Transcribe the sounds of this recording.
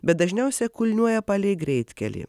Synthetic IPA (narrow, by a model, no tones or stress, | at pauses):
bʲɛt̪̚d̪ɐʒʲnʲɛʊsʲɛkʊlʲnʲuɔjɛpɐlʲɛɪɡɾʲɛɪt̪ʲkʲɛ̰lʲḭː